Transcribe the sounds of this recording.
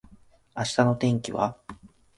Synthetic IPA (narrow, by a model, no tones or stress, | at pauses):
aɕi̥t̪ano̞t̪ẽ̞ŋkʲiβa̰